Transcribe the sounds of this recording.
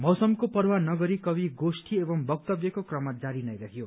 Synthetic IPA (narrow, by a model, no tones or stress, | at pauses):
mʌwsʌmkopʌrwanʌɡʌɾikʌbiɡosʈʰiebʌmbʌk̚t̪ʌbjʌkokrʌmad͡zaɾinʌjɾʌɦʰjo